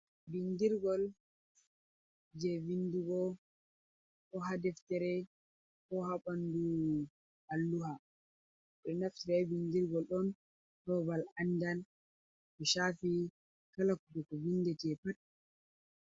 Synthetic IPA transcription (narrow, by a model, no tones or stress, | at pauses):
bindiɾɡɔl | d͡ʒɛvinduɡɔ | kɔɦadɛftɛɾɛ | kɔhaɓandu | ʔalːuha | ɗɔnaftɛɾɛbindiɾɡɔlɗɔn | hɔbalandan | kɔʃafi | kalakudɛkɔvindɛtɛpat